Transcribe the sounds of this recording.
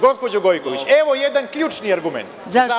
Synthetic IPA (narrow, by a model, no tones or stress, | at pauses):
ɡo̞spo̞d͡ʑoɡo̞jkoʋit͡ɕeʋojed̪ankʎuːt͡ʃniaɾɡumḛnt̪za